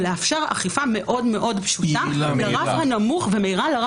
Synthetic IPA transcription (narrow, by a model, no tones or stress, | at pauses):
leafʃeʁa̰χifame̞ʔo̞dme̞ʔo̞dpʃutalaʁavhanamuχvemeiʁalaʁa